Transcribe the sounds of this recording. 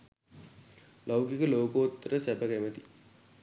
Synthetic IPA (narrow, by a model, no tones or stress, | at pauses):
lawkikəloːkoːt̪ːɾəsæbəɡæmət̪i